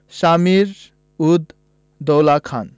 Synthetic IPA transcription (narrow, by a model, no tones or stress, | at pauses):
samiɾ | ud̪ | d̪ɔwlakʰan